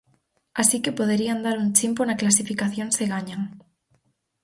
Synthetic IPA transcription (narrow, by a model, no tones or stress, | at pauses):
asikepoð̞eɾiand̪aɾunt͡ʃimponaklas̬ifikaθjoŋseɣaɲaŋ